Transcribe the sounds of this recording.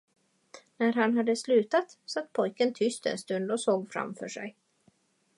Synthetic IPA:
næɾɦanɦad̪ːəslʉ̟ːt̪at̪sat̪ːpʰɔjkənt̪ʰʏst̪ɛ̰nst̪ɵnd̪ɔsoːɡfɾa̰mfœ̰ːʂɛ̰j

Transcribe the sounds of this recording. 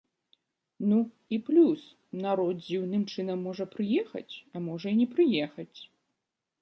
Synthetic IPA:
nu | iplʲus | naɾɔt̪̚d͡zʲiwnɨmt͡ʂɨnɐmːɔʐɐpɾɨjɛxɐ̰t͡sʲɐmɔʐɐinʲɛpɾɨjɛxɐt͡sʲ

